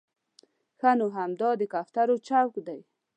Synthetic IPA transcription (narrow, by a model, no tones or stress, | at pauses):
xanoɦamd̪ɑd̪əkaft̪aɾot͡ʃawkd̪aj